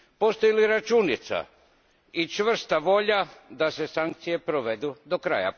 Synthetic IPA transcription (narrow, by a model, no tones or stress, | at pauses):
po̞st̪o̞jiliɾat͡ʃunit̪sa̰ | it͡ʃʋr̩st̪aʋo̞ʎad̪ase̞saŋk̚t̪sije̞pɾoʋe̞d̪ud̪o̞kɾa̰ja̰